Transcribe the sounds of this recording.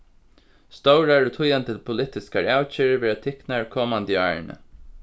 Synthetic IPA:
st̪owɹaɹɔt̪ʰʊjant̪əpʰʊlɪt̪ɪskaɹawt͡ʃiːɾʋeːɹat̪ʰɪknaɹkʰɔːmand̪ja̰ːɹnə̰

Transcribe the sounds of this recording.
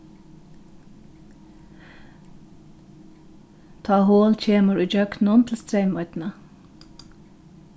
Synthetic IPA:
t̪ʰɑːhoːlc͡çeːməɹuːd͡ʒøːk̪nʊːnt̪ʰl̩st̪ɾeɪmɑʏt̪n̩ə

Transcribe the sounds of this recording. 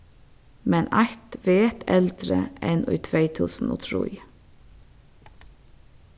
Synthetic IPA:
mɛnʔʔɑt̪ʋeːt̪ɛld̪ɾə̰ɛnʔʉ̰ːt̪ʰʋeɪt̪ʰʉːsn̩ʔɔ̰ːt̪ʰɾṵːi

